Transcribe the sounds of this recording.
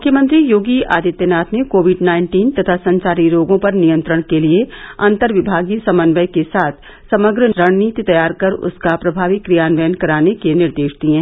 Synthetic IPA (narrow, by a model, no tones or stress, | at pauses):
mʊkʰjəmə̃nt̪ɾijoːɡia̰ːd̪ɪt̪jənaːt̪ʰnekoːʋɪɖnaːɪ̃ɳʈiːnt̪ɐt̪ʰasɐ̃nt͡ʃaːɾiɾoːɡõpɐɾnijə̃nt̪ɾəɽ̃kelieɐ̃nt̪əɾʋɪbʱaːɡisɐmənʋəjkesaːt̪ʰ | sɐməɡɾɾɐɽ̃niːt̪it̪ɐjaːɾkɐɾʊ̰skapɾɐbʱaːʋɪkːɾijaːnʋɛːənkɐɾaːnekenɪɾd̪eːʃd̪iɦɛ̃ː